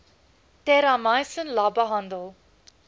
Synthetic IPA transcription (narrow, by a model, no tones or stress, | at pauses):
t̪eːɾamãːjsənlaːbaɦãnd̪o